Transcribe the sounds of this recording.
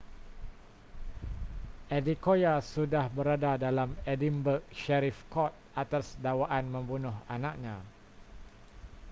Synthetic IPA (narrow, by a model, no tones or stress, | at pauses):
ʔɛdikojasudahbəɾadadalamɛdimbək̚ʃɛɾifkɔt̪̚at̪asdawaʔanmə̃mbunʊhanãk̚ɲã